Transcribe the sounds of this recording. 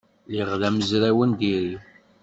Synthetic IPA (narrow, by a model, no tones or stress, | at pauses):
liʁðæməzɾæwənd̪iɾi